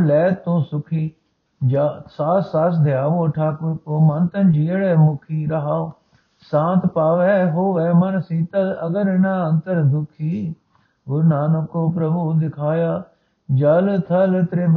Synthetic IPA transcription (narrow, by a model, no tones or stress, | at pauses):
lɛːt̪ːõːsʊkʰiː | d͡ʒasaːsaːsd̪ʱɪjaːʋoːʈʰaːkʊkoːmənt̪ənd͡ʒeːɽɛːmʊkʰiːɾəɦaː | sãːnt̪paːʋɛːɦoːʋɛːmənsiːt̪aəɡəɾɪnãːənt̪əɾd̪ʊkʰiː | ɡʊɾnaːnəkoːpɾəbuːd̪ɪkʰaːjaː | d͡ʒəlt̪ʰəlt̪ɾeː